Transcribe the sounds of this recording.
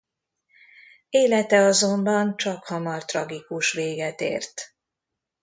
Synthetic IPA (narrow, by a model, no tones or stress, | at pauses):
eːlɛt̪ɛɒzo̞mbɒnt͡ʃɒkhɒmɒrt̪rɒɡikuʃʋeːɡɛt̪ḛːrt̪